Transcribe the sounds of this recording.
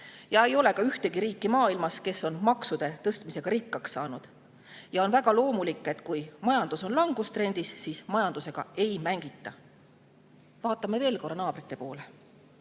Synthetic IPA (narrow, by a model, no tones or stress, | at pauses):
jɑe̞jo̞le̞kɑyht̪e̞ɡ̥iɾiːkːˑimɑːilmɑske̞sːo̞nmɑksud̪̥e̞t̪ɤst̪mise̞ɡ̥ɑɾikːɑksːɑːnud̪̥ | jɑo̞nvæɡ̥ɑlo̞ːmulikˑːe̞t̪kujmɑjɑnd̪̥uso̞nlɑŋɡ̥ust̪rɾe̞nd̪̥isːiːsmɑjɑnd̪̥use̞ɡ̥ɑ̰e̞jmæŋɡ̥it̪ˑːɑ | vɑːt̪ːˑɑme̞ve̞ːlko̞rːɑnɑːb̥rit̪ːˑe̞po̞̰ːle